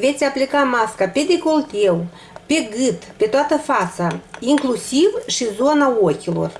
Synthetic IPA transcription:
vʲet͡sʲaplʲikamɑskapʲed̪ʲekolˠt̪ʲew | pʲeɡɨt̪pʲet̪oat̪əfɑsaiŋklˠusʲiwʃizonaokʲilˠo̰r

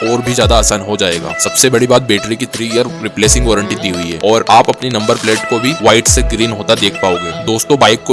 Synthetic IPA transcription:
ɔːɾbʱizjaːd̪aːsaːnɦod͡ʒaːeːɡa̰ːsɐbsebɐɽibaːt̪̚beːʈɾikit̪ʰɾijəɾɾɪpleːsɪ̃ŋɡʋɔːɾə̃ɳʈit̪iɦʊiɦɛ̰ːɔːɾaːpɐpninɐ̃mbəɾpleːʈkobʱiʋaːɪʈseɡɾiːnɦoːt̪ad̪eːkʰpaːoːɡeːd̪oːst̪õbaːɪkːo

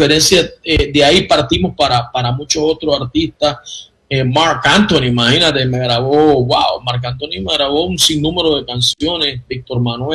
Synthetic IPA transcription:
feɾe̞nsjaed̪eaipaɾt̪imo̞spaɾapaɾamũt͡ʃoso̞t̪ɾosaɾt̪ist̪as | emaɾkant̪onimahinat̪e̞me̞ɣɾaβo̞wawmaɾk̬ant̪onimeɣɾaβo̞unsiŋnũme̞ɾoðe̞kansjo̞ne̞sbik̚t̪o̞ɾmanwe

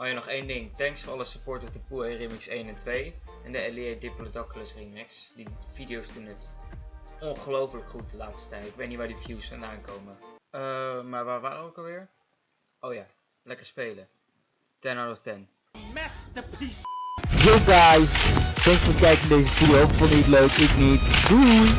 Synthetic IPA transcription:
ɔjanɔχejndɪŋtɛŋksfəɑləsəpɔːɹtət̚dəpuerɪmɪksejnɛntʋejɛndəɛliejdɪplodɔkləsrimɪks | div̥idiowstunət | ɔnχəlowpələkχut̚dəlaːtstə̥tɛjtəɪkʋejtnitʋaːɹdifjuwsfandaːŋkowməəmaːɹʋaːɹʋaːdəowkɑlˠʋɪːɹ | ʔowjaː | lɛkəɹspejlə | d̥ɛnaɹɔftɛn | d͡ʒowɡajstɛŋsʋəkɛjkəndejzəfuowkfɔndiətløɥkɪknitbu

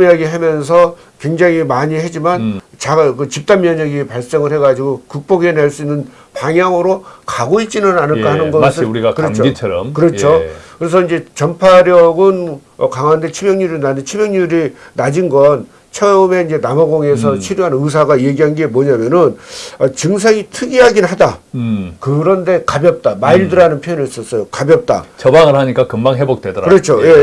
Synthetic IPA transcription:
aɡiɦamjʌns̬ʰʌ | kwe̞ŋd͡ʑaŋimaɲihed͡ʑimant͡ɕakɯt͡ɕip̚t͈anmjʌɲaɡipaɭs͈eŋɯɭhe̞ɡad͡ʑiɡokuk̚p͈oɡeneɭs͈uinːɯn | paŋjaŋɯɾokaɡoit̚t͡ɕ͈inɯnanɯɭk͈aɦanɯnɡʌsʰɯuɾikɯɾʌt͡ɕʰoit͡ɕʰɾʌmkɯɾʌt͡ɕʰokɯɾe̞s̬ʰʌind͡ʑe̞t͡ɕʌmpʰaɾjʌɡɯnʌkaŋwandet͡ɕʰibjʌŋɲuɾinant͡ɕʰibjʌŋɲuɾinad͡ʑinɡʌn | t͡ɕʰeʌme̞ind͡ʑe̞namʌɡoŋe̞sʰʌt͡ɕʰiɾjuɦanɯs̬ʰaɡaje̞ɡiɦanɡe̞mʌɲamjʌnɯnʌt͡ɕɯŋs̬ʰeŋitʰɯɡiɦaɡinhadakɯɾʌnde̞kabjʌp̚t͈amaiɭdɯɾanɯnpʰjojʌniis͈ʌs͈ʌjokabjʌp̚t͈a̰t͡ɕʌbaŋɯɭhaɲik͈akɯmbaŋɦebok̚twedɾaɯɾʌt͡ɕʰoje̞

